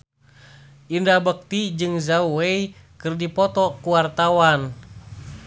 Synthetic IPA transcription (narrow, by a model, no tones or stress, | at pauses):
ʔindabək̚t̪id͡ʒɨŋzauwei | kɨrdipɔt̪ɔkuwart̪awan